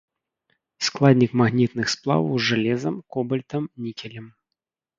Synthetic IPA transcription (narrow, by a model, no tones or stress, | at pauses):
sklˠad̪ʲnʲikmaɣnʲit̪nɨxsplˠa̰wɐwzʐalʲɛzɐmkɔbɐlʲt̪ɐmnʲikʲɛlʲɐm